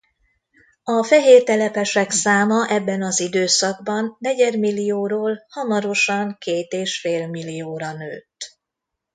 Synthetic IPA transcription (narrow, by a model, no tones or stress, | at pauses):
ɒfɛɦeːrt̪ɛlɛpɛʃɛksaːmɒʔɛbːɛnɒzid̪øːsɒɡbɒnːɛɟɛd̪milːijoːɾoːlhɒmɒɾo̞ʃɒŋkeːt̪eːʃfeːlmilːijoːɾɒnø̰ːt̪ː